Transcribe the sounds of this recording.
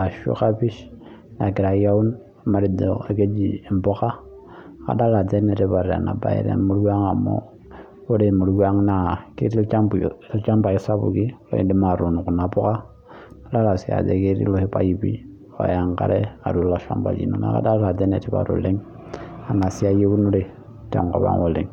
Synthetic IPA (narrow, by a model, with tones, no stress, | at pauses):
a˨ʃo̰˦ka˦bi˦ʃ | na˨ki˨ɾa˨ja˦u˦n | a˨ma˨ɾi˨do˨a˨ke˦d͡ʒi˨e˨m˨bo˦ka˦˨ | ka̰˦da˦la˨de˦ne˨ti˦ba˨ɾa̰˨na˨ba̰˦ḛ˦ɾḛ˦mu˦ɾɡʷa˦ŋa˨mo̰˦ | o˦ɾe˦˨mu˨ɾɡu˦a˦ŋna˨ki˦ɾi˦t͡ʃa˦˨lt͡ʃa˦mba˨i˦sa˦bṵ˨ki˦l̰i˦di˦ma˨ɾu˨n˨ku˨na˨pu˦ka˦ | a˦da˦ka˨si˦a̰˨d͡ʒḛ˨ke˦ɾḭ˦lo˦hi˦pa˨ji˦bḭ˦ | a̰˨ja˨ŋka˦ɾe˦a˨ɾu˨la˨ʃa̰˦mba̰˨d͡ʒḭ˨no˨na̰˨ka̰˦da˦a˨de˦nḛ˨ti˦ba̰˨ɾṵ˨le˦ŋ | a˨na˨si˦a˦je˦ɡu˦nu˦ɾe˨˦ | ta̰˨ŋko˨ba̰˦ŋo̰˨li˨ŋ